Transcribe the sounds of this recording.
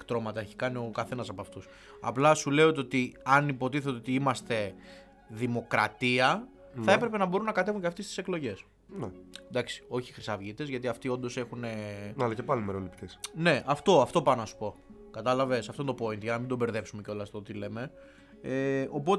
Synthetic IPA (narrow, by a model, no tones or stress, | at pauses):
kt̪ɾo̞mɐt̪ɐe̞çi̥kɐnio̞kɐθe̞nɐsɐpoɐft̪us | ɐ̰plɐsule̞ot̪eo̞t̪iɐnipo̞t̪iθet̪eot̪iimɐst̪e̞ | ðimo̞kɾɐ̰t̪iɐ | θɐe̞pɾe̞pe̞nɐbo̞ɾunːɐkɐt̪evuɲcɐft̪est̪i̥se̞klo̞ʝe̞s | ned̪ɐksi̥o̞çixɾisɐvʝit̪e̞zʝɐt̪iɐft̪io̞nd̪o̞se̞xune̞alɐcepɐlimeɾolipt̪esne̞ʔɐft̪o̞ɐft̪o̞pɐnɐsu̥po̞ | kɐt̪ɐlɐve̞sɐft̪ond̪opo̞int̪ʝɐnɐmind̪o̞be̞ɾðe̞psumeco̞lɐst̪ot̪ile̞me̞ | eo̞po̞t̪e